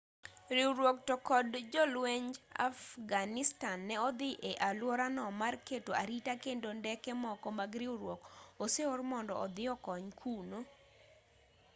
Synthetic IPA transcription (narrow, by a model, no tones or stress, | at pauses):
ɾiwɾwok̚tɔkɔdd͡ʒɔlweɲd͡ʒa̰fɡanɪstanːɛɔd̪ɪʔeʔalwɔɾanɔmarketoaɾitakendondɛkɛmɔkɔmaɡɾɪwɾwokoseoɾmɔndɔʔɔd̪ɪɔkɔɲkʰuno